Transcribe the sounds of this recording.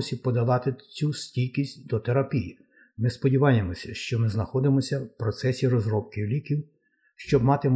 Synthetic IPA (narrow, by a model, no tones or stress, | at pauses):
sʲipɔd̪ɐlˠɑt̪ɪt͡sʲusʲtʲijkʲisʲtʲd̪ɔt̪eɾɐpʲiji | mɪspɔdʲiʋɑjemɔsʲɐʃt͡ʃɔmɪznɐxɔd̪ɪmɔsʲɐwpɾɔt̪sɛsʲiɾɔzɾɔp̚kɪwlʲikʲiw | ʃt͡ʃɔbmɑt̪ɪm